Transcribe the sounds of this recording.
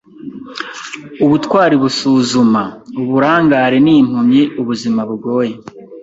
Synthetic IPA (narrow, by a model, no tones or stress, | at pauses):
uβutkwaːɾiβusuːzumauβuɾaːŋɡaːɾeniːm̥umɲiʔuβuzimaβuɡo̞ːje